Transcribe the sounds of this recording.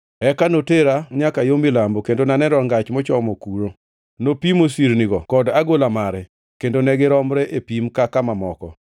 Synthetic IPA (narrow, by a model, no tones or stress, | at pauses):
ɛkanoteɾaɲakajomɪlambokendonanɛɾɔŋɡat͡ʃmɔt͡ʃɔmɔkuɾo | nopimosiɾniɡɔkɔdaɡolamaɾɛ | kendonɛɡɪɾɔmɾɛʔepimkakamamɔkɔ